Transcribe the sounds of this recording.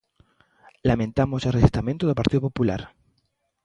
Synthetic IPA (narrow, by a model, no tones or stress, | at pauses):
lamẽnt̪amoselreʃist̪ament̪oðopaɾt̪iðopopula̰ɾ